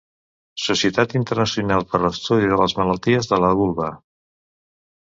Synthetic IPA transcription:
susiət̪at̪int̪əɾnəsiunalˠpəɾləst̪uðiðələzmələlˠt̪iəzðələβulˠβə

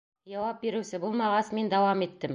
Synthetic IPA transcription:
jɑwɑp̚biɾɘ̆wsɘbulˠmɑʁɑsmind̪ɑwɑmit̪ːɘm

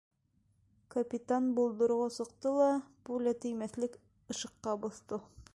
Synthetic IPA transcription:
kɐpʲit̪anbulˠd̪ɤ̆ɾʁɑsŏqt̪ɤlˠɑpulʲæt̪ɘ̆jmæθlɘk | ɤ̆ʃɤ̆qːɑbŏθt̪ɤ

